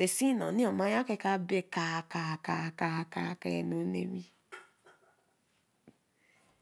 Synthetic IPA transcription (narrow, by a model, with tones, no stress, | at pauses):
e˨si˦nɔ̰˨nĩ˦ɔ˨ma˦ja˦ke˦ka˦be˦ka˨ka˨ka˨ka˨ka̰˦˨ka˦e˨no˨˦nḛ˦mi˦